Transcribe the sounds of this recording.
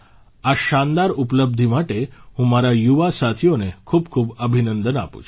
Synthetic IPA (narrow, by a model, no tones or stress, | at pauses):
aʃand̪aɾupləb̚d̪ʱimaʈeɦũmaɾajuʋasat̪ʰijonekʰuːbkʰuːbəbʱinənd̪ənapṵt͡ʃʰ